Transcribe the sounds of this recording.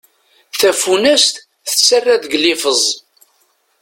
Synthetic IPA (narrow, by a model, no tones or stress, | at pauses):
θæfunæst̪ | θəsːərːæðɡlifəzˤ